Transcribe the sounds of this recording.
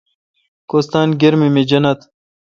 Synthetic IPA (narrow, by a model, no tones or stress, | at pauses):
koːst̪aːnɡeɾmimed͡ʑɐnɐt̪